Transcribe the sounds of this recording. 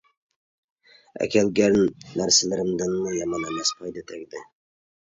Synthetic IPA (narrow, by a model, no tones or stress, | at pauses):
æ̰kʲɛlɡʲɛnnːæɾsɪlɪɾɪmd̪ɪnːɨjɑmɑnɛmɛsqʰɑjd̪et̪ʰɛkʲd̪ɪ